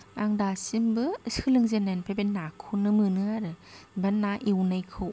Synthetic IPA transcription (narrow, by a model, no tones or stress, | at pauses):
aŋdasimbɯsɯlɯŋzenanpʰabenakʰunɯmɯnɯaɾɯbanːaʔiwnajkʰɯw